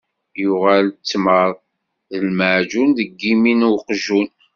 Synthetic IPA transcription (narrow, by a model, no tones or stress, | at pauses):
jʊʁalt͡sːməðˤ | ðəlməʕd͡ʒunðəɡːiminuqʒun